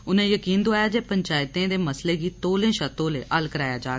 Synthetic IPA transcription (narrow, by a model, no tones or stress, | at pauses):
ʊnẽːjəkiːnd̪oaːjaːd͡ʒeːpəɲt͡ʃaːjɪt̪ẽːd̪eːməsleːɡiːt̪oːlẽːʃət̪õːleːʔəlkəɾaːjaːd͡ʒaː